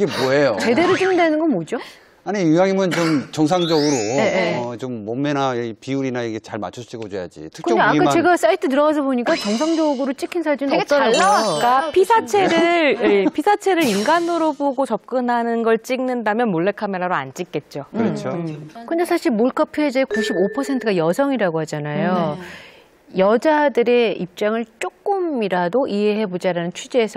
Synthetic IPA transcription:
iɡeboɦejot͡ɕe̞deɾot͡ɕimndenɯnɡʌnmod͡ʑo | aɲijujaŋimɯnt͡ɕomt͡ɕʌŋs̬ʰaŋd͡ʑʌɡɯɾoet͡ɕomːʌmːenapiuɾinaiɡet͡ɕaɭma̰t͡ɕʰusʰɕ͈ʰiɡod͡ʑoja̰d͡ʑḭtʰɯk̚ɯt͡ɕʌaikat͡ɕe̞ɡas͈aitʰɯt̬ɯɾʌɡas̬ʰʌboɲik͈at͡ɕʌŋsʰaŋd͡ʑʌɡɯɾot͡ɕ͈ikʰinsʰad͡ʑinnoʌaːak͈apʰisʰat͡ɕʰe̞ɾɯɭepʰisʰat͡ɕʰe̞ɾɯɾinɡanːoɾoboɡot͡ɕʌp̚k͈ɯnɦanɯnɡʌɭt͡ɕ͈iŋnɯndamjʌnmoɭːekʰame̞ɾaɾoa̰nt͡ɕ͈ik͈e̞t̚t͡ɕ͈o | kɯndesʰaɕʰiɭmoɭkʰʌpʰɯed͡ʑekuɕʰibopʰʌsʰe̞ntʰɯɡajʌsʰʌŋiɾaɡoɦhad͡ʑanajo | jʌd͡ʑadɯɾe̞ip̚t͡ɕ͈aŋɯɭt͡ɕ͈ok̚k͈ɯmiɾadoʔiɦe̞ɦe̞bod͡ʑaɾanɯnt͡ɕʰud͡ʑeːsʰʌ

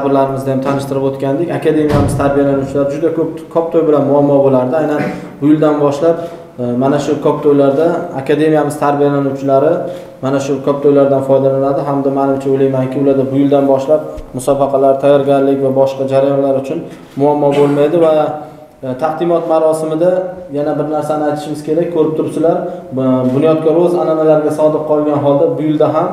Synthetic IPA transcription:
bɪɾlaɾɪmɪzd̪ajamt̪ʰanɪʃt̪ɪɾɪpot̪kʲand̪ekʲakʲʰad̪e̞mijamɪz̥t̪ʰaɾbijalanuwt͡ʃʰɪlaɾɪd͡ʒʊd̪akʰɵp̚kʰɒp̚t̪ʰojbɪlanmʊamːɒbolaɾd̪ɪajnan | bʊjɪld̪anbɒʃlap̚ | manaʃʊkʰɒp̚t̪ʰojlaɾd̪aakʲad̪e̞mijamɪz̥t̪ʰaɾbijalanuwt͡ʃʰɪlaɾɪ | manaʃʊkʰɒp̚t̪ʰojlaɾd̪anfɒjd̪alanad̪ɪɦamd̪amanɪmt͡ʃʰaojlajmaŋkʲɪʊlaɾd̪abʊjɪld̪anbɒʃlap̚mʊsɒbɑqʰɑlaɾt̪ʰajːɒɾɡʲaɾlɪkʲvabɒʃqɑd͡ʒaɾajɒnlaɾʊt͡ʃʰʊn | mʊamːɒbolˠmajd̪ɪva | t̪ʰahd̪ɪmɒt̪maɾɒsɪmɪd̪ajanabɪɾnaɾsanɪajt̪ʰɪ̥ʃɪmɪz̥kʲʰe̞ɾak̚ʲkʰːɵɾɪp̚t̪ʰʊɾsɪlaɾbʊnijɒt̪̚kʰʲɒɾɵzananalaɾɡʲasɒd̪ɪq̚qʰɒlˠɡʲanɦɒlˠd̪abʊjɪld̪aɦam

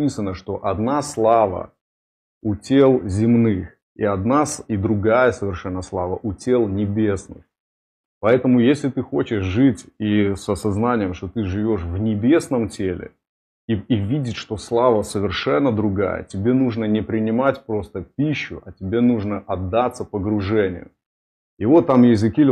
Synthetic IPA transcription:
isənːəʂt̪o̞ʔɐd̪naslˠavə̰ | utʲelˠzʲɪmnɨx | ḭɐd̪nasid̪ɾʊɡajəsəvʲɪrʂɛnːəslˠavəʔutʲe̞lˠnʲɪbʲesnɨ̰x | pɐɛt̪əmʊjesʲlʲɪt̪ɨxo̞t͡ɕɪʂʐɨtʲisɐsɐznanʲɪjəmʂt̪ot̪ɨʐɨvʲo̞ʂvnʲɪbʲe̞snəmtʲelʲɪ̰ | ivʲidʲɪt̪ʲʂt̪o̞slˠavəsəvʲɪrʂɛnːəd̪ɾʊɡa̰jə̰tʲɪbʲe̞nuʐnənʲɪpɾʲɪnʲɪmatʲpɾo̞st̪əpʲiɕːʊʔɐtʲɪbʲe̞nuʐnəʔɐd̪ːat̪sːəpəɡɾʊʐɛnʲɪ̰jʊ̰ | ɪvo̞t̪ːamjɪzʲɨkʲi

